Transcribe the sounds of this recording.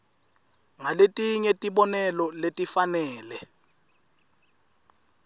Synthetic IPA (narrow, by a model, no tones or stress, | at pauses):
ŋaletʼiɲɛtʼiɓɔnɛlɔletʼifanɛːlɛ